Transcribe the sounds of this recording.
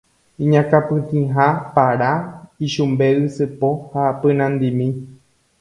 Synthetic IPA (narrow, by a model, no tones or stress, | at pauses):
ĩɲãkapɨ̃t̪ĩɦapaɾaiʃumbe̞ʔɨsɨpohapɨ̃nãnd̪imĩ